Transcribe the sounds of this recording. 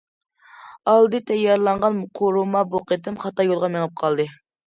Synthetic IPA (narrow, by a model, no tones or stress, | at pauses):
ɑlˠd̪ɨt̪ʰɛjɑɾlˠɑɴʁɑnqʰoɾumɑboqət̪ɪmχɑt̪ɑjolˠʁɑmeŋɨp̚qʰɑlˠd̪ɨ